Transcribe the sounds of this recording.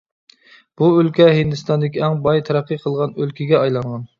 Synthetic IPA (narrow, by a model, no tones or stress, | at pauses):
b̥uølkʲɛɦind̪ɪst̪ɑnd̪ɪkʲiɛŋbɑjt̪ʰæɾæqʰːəqʰəlˠʁɑnølkʲiɡʲɛɑjlˠɑɴʁɑn